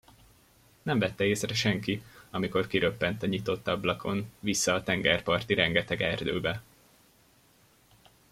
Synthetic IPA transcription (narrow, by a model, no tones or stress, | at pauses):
nɛɱvɛt̪ːɛeːsrɛʃɛŋkiɒmiko̞rkiɾøpːɛnt̪ɒɲit̪o̞t̪ːɒblɒkʰo̞nvisːɒːt̪ɛŋɡɛrpɒrt̪iɾɛŋɡɛt̪ɛɡɛrd̪øːbɛ